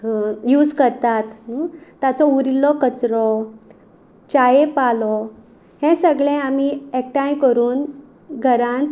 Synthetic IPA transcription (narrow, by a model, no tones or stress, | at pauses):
juːd͡zkəɾt̪at̪ː | jat͡sɔuɾilɔkət͡sɾɔ | t͡ɕajepalɔ | hɛ̃səɡɭɛ̃am̤iek̚ʈãjkəɾuːn | ɡʱəɾãnt̪